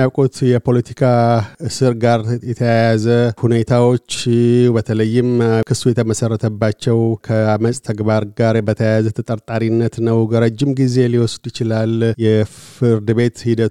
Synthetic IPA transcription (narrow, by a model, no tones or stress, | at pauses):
awkʼut̪jɛpʰo̞lət̪ʰi̥kʰaɨsɨɾɡaɾjɛt̪ʰəjajazəhune̞t̪ʰawo̞t͡ʃːbət̪ʰələjːɪmkʰɨsujɛt̪ʰəməsərːət̪ʰəbːat͡ʃːɛwkʰəaməsʼt̪ʰəɡβaɾɡaɾbət̪ʰəjajazət̪ʰət̪ʼəɾt̪ʼaɾinːət̪nəwɡəɾəd͡ʒːɪmɡize̞liwɔsd̪jɪt͡ʃɪlaljɛfɨɾd̪ɨbe̞t̪hid̪ət̪